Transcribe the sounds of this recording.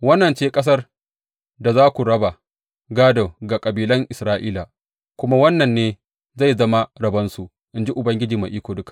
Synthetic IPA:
wɐ˦nːɐ˨nt͡ʃeː˦kʼɐ˦s̬ɐ˦r | da˨zaː˦kʷu˨ɽɐ˦ba˨ | ɡaː˦do˨ɡa˨kʼɐ˨biː˨lɐ˦ŋʔɪ˨sɾaː˦ʔiː˦la˨ | kʷʊ˦ma˦wɐ˦nːɐ˨nːeː˦ | za˦˨jzɐ˦ma˦ɽɐ˨bɐ˦nsu˨ | ʔɪ˦nd͡ʒi˦ʔʊ˨bɐ˦ŋɡʲɪ˦d͡ʒiː˨ma˨ʔiː˦kʷoː˨dʊ˦kḁ˨

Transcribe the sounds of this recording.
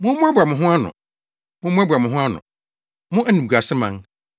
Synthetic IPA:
mʊ̃˦ʊ̃˦a˦ba˨mʊ̃˨ɦʊ̃˦a˦nʊ̰̃˨ | mʊ̃˦mʊ̃˦a˦bʷa˨mʊ̃˨ɦʊ̃˦a˦nʊ̰̃˨ | mʊ̃˦ʔæ˦nĩ˨a˨sɪ˦mã̰˦n

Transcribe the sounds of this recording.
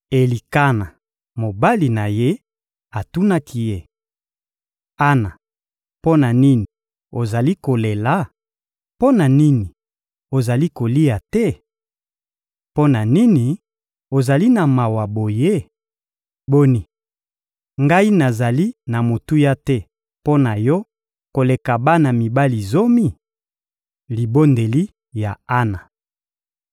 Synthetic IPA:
e˨li˨ka˦na˨ | mo˨ba˦li˨na˨je˦ | a˨tu˦na˦ki˦je˦ | a˦na˨ | po˦na˨ni˦ni˨ | o˨za˨li˦ko˨le˨la˦ | po˦na˨ni˦ni˨ | o˨za˨li˦ko˨li˦a˨tɛ˦ | po˦na˨ni˦ni˨ | o˨za˨li˦na˨ma˨wa˨bo˨je˦ | bo˦ni˨ | ŋɡa˦i˦na˨za˨li˦na˨mo˨tu˦ja˦tɛ˦ | po˦na˨jɔ˦ | ko˨le˨ka˨ba˦na˨mi˨ba˦li˨zo˦mi˦ | li˨bo˦nde˨li˦ | ja˨a˦na˨

